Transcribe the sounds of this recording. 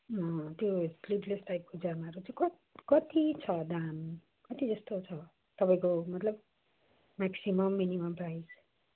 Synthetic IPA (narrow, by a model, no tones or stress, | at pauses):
ʌt̪josliʈlesʈajp̚kod͡zamaʌɾut͡sãĩkʌ | kʌt̪it͡sʰʌd̪an | kʌt̪id͡zʌst̪ot͡sʰʌ | t̪ʌpaj̃komʌt̪lʌb̚ | maksimʌmːinimʌmprajs